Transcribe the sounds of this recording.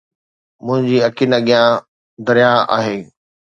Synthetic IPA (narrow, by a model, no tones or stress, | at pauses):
mʊ̃ɦɪ̃ɲd͡ʑiːɐkiːnaɠɪjã | d̪ɐɾijaa̰ːɦeː